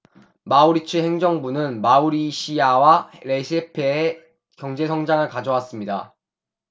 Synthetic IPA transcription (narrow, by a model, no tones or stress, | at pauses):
mauɾit͡ɕʰɯɦe̞ŋd͡ʑʌŋbunɯnmauɾiɕʰiawaɾe̞ɕʰepʰeː | kjʌŋd͡ʑe̞sʰʌŋd͡ʑaŋɯɭkad͡ʑʌwas͈ɯmɲida̰